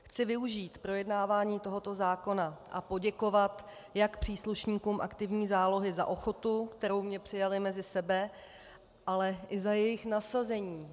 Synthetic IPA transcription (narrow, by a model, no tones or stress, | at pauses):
xt͡sɪvɪuʒiːt̪pɾo̞jɛdnaːvaːɲiːt̪o̞ɦo̞t̪o̞zaːko̞naʔapo̞ɟɛko̞vat̪ | jakpr̝̥iːsluʃɲiːkuːmʔa̰kt̪ɪvɲiːzaːlo̞ɦɪza̰ʔo̞xo̞t̪ukt̪ɛɾo̞wmɲɛpr̥ɪjalɪmɛzɪsɛbɛ | ʔalɛʔɪzajɛjɪxnasazɛɲiː